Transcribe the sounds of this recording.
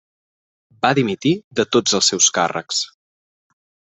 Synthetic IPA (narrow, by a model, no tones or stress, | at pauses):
baðimit̪iðət̪od͡zəlˠsɛwska̰rə̰ks